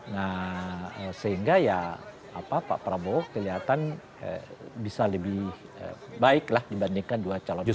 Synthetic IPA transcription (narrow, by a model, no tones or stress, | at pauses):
nahəsəɦiŋɡaja | apapa̰ʔpɾabokəliɦat̪an | ə̰bisaləbɪh | ə̰baɪklahdibandiŋkanduat͡ʃalɔn